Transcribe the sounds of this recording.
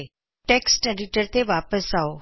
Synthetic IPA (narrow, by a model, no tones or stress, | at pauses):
ʈeksʈeɖiʈəɾt̪eʋapəsao